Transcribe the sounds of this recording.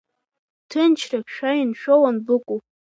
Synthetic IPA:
tʰɨnt͡ʃʰrakʲʃᶣajinʃᶣowanbɨkʷʼu

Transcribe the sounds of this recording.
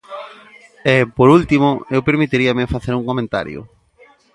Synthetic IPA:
ɛpoɾult̪imʊewpeɾmit̪iɾiɐmɪfaθeɾuŋkomẽnt̪a̰ɾjʊ̰

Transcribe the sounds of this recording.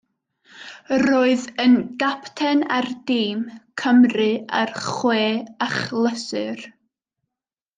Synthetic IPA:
roːɨðənɡ̥aptʰɛnardiːmkʰəmrɨa̰rχweːaχlˠəsɨr

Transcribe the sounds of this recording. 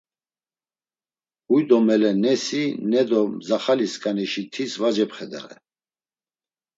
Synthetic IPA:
ujd̪ɔmɛlɛnɛsinɛd̪ɔmzaχaliskʼanɛʃit̪ʰisvad͡ʒɛpχɛd̪ɛ̰ɾɛ̰

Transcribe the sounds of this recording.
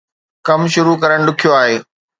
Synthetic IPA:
kɐmʃʊɾukɐɾəɽ̃ɖʊkʰijoaːɦeː

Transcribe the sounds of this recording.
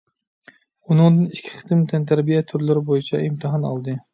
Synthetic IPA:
ʊnɨŋd̪ɨnɪʃkʲʰɪ̥χɨ̥t̪ɪmt̪ʰant̪ʰæɾbijat̪ʰʊɾlɪɾɪbojɪt͡ʃʰa̰ɪmt̪ʰɪɦɑnɒ̰lˠd̪ɪ

